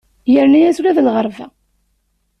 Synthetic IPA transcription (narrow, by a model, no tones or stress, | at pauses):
jəɾnæjæsɾæðəlʁəɾˤvæ